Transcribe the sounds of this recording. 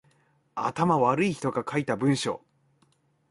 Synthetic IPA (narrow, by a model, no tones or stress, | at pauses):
a̰t̪amaβaɾɯ̟içi̥t̪o̞ɡakʰait̪abɯ̟̃ɰ̃ɕo̞̰ː